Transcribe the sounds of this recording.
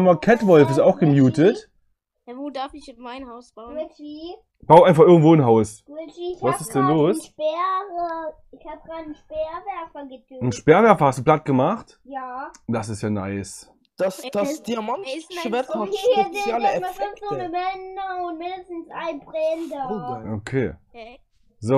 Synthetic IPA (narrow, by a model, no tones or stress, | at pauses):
makʰɛtv̥ɔlfɪstaʊxɡ̥əmjuːtətː | dafɪmaɪnhaʊsb̥aviː | b̥aʊʔaɪnfaχɪɐɡŋ̩tv̥oːɪnɦaʊs | vasɪsd̥ɛnloːsʃbɛːʁə | ɪçhaːb̚ɡ̥ʁaːdn̩ʃpɛːɐvɛɐfɐɡədn̩ʃpɛːɐvɛɐfɐhastd̥uplat̚ɡ̥əmaχt | jaːd̥as̬ɪstjaːnaɪs | d̥asd̥asd̥iamanʃvɛɐtɔʃedjaːləɛmafɛkonəvɛnəʊntmɪndəstn̩sʔa̰ɪnbʁɛndɐʔokʰḛː | zoː